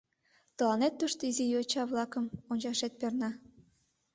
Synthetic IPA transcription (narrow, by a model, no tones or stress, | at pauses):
t̪ə̆lɑnet̪ːuʃt̪oizijot͡ɕɑβlɑkəmonʲt͡ɕɑʃet̪̚pernɑ